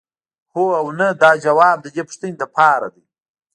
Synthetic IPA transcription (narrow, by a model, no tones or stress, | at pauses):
hoawnad̪ɑːd͡ʒawɑːb̚d̪əd̪epə̥ʂt̪əned̪əpʰɑɾa̰d̪ij